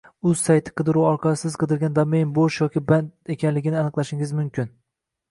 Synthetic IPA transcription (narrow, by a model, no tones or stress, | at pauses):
ʊz̥sajt̪ʰɪ̥qɨd̪ɪɾuwɒɾqʰɑsɪz̥qʰɨd̪ɪɾɡʲand̪ɒmejnboʃjɒkʲɪband̪e̞kʲʰanlɪɡʲɪnɪanɨqlˠaʃɪŋɪzmʊmkʲʰɪn